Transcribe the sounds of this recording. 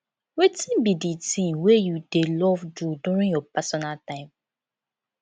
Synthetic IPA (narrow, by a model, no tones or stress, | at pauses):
wetĩnbiditĩmwejudelɔvduduɹĩŋjɔpasɔnaltãɪ̃m